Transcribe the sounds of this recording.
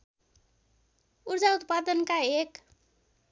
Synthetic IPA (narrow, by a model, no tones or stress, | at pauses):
urd͡zaut̪̚pad̪ʌnkaek